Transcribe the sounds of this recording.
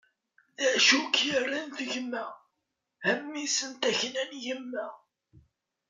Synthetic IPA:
ðæʃukjərːənθəʝmæ | hæmːisənt̪æçnænjəmːæ

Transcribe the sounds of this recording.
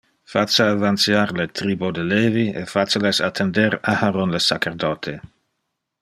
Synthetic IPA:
fat͡saavansjaɾlet̪ɾiːbod̪eleːviḛfat͡səlesat̪ʰːendeɾahaɾonlesat͡ʃerdɔt̪ʰe

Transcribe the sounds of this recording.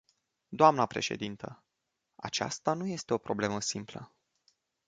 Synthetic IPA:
d̪oamnəpɾe̞̰ʃe̞̰d̪int̪ə | a̰t͡ʃa̰st̪anuje̞st̪e̞o̞pɾo̞ble̞məsimplə̰

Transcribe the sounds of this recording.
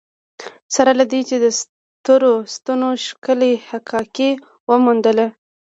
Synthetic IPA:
saɾalad̪et͡ʃed̪əs | t̪əɾost̪anoʃkəlehakʰɑke | wəmund̪əla

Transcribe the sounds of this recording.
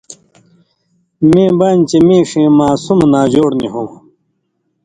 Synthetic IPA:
mẽːbaːnt͡ɕemẽːʂẽːmaːsumnaːd͡ʑoːɽnḭɦum

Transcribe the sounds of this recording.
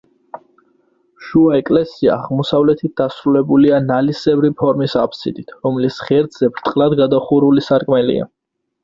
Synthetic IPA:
ʃuaɛkʼlɛsia̰ːʁmɔsavlɛt̪ʰit̪̚d̪̥asɾulɛbulianalisɛvɾipʰɔɾmisapsḭd̪it̪ʰɾɔmlisχɛɾd̪z̥ɛbɾt̪ʼqʼlad̪ɡad̪aχuɾulisaɾkʼmɛlḭa̰

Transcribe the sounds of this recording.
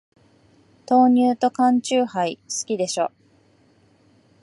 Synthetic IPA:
t̪o̞ːɲ̟ɨːt̪o̞kãɲt͡ɕɨːhaisɨ̥kʲid̪e̞ɕo̞

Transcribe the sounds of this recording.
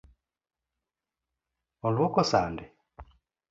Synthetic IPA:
ɔlwɔkɔsandɛ

